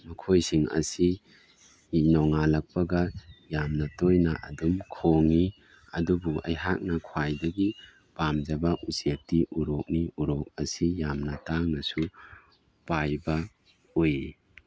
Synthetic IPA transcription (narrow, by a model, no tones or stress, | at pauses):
mɐkʰojsiŋɐ̰si | inɔŋalɐk̚pɐɡɐjamnɐtojnaʔɐ̰dumkʰoŋi | ɐdubuʔɐ̰jɦak̚nɐkʰwajdɐɡi | pamd͡ʒɐbɐʔusetiʔuɾok̚niuɾok̚ɐsijamnɐtaŋnɐsu | pajbɐ | oji